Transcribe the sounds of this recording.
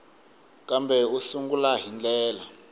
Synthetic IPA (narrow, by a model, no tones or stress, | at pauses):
kambʱɛusuŋɡulaɦind͡ɮɛːla